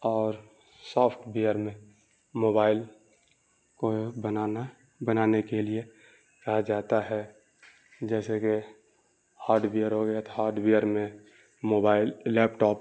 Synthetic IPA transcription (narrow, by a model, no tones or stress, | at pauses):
ɔːɾ | sɔːpʰʈʰbijəɾmẽ | moːbaːɪl | kobənana | bənaːnekelie | kɐɦad͡ʒaːt̪aɦɛ | d͡ʒɛːseke | haːɾɖbijəɾɦoɡəjat̪ɦaːɾɖbijəɾmẽ | moːbaːɪlːɛːpʈɔːp